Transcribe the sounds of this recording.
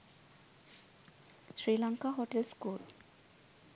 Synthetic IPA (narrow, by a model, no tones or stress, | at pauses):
sɹilaŋkaɦoʈelskul